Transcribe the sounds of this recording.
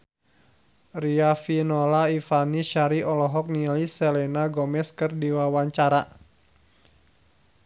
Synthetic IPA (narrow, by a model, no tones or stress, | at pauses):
riafinɔlaifaniʃaɾiɔlɔɦɔk̚nilisɛlɛnaɡɔmɛskɨrdiwawaɲt͡ʃaɾa